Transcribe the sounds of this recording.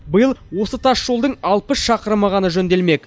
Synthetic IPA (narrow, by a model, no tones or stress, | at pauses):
bəjəlˠwo̞sət̪ʰɑsʒ̥o̞lˠd̪əɴɑlˠpəsʃɑqəɾmɑʁɑnəʒɵnd̪e̞lme̞k